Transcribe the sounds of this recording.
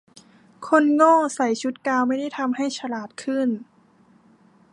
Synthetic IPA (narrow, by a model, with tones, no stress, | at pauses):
kʰo˧˥˨nŋɔː˥˩sa˨˩˦jt͡ɕʰu˧˦˥t̪̚kaː˧wma˥˩jda˥˩jt̪ʰa˧mha˥˩jt͡ɕʰa˧laː˨˩t̪̚kʰɯ˥˩˨n